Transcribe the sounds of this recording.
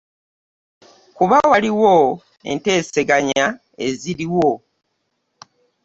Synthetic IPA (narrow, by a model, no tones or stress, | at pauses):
kuβawaliwo | e̞̰nte̞ːse̞ɡaɲa | e̞ziɾiwo